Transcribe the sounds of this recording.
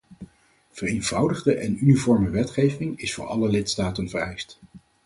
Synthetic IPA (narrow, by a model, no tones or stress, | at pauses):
v̥ərejnvʌwdəχdəʔɛnynivɔɹməʋɛtχejvɪŋɪsfʊ̰ːɹɑ̰ləlɪtstaːtənvərɛjst